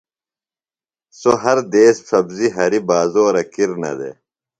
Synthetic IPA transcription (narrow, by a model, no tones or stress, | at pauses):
soɦɐɾd̪eːsfʰɐbziɦɐɾibaːzoːɾɐkiɾnɐ̰d̪ḛ